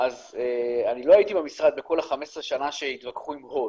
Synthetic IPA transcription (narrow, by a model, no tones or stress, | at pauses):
ʔazeanilo̞ait̪ibamisʁad̪̚beko̞laχame̞sʁeʃanaʃe̞it̪vakχuimho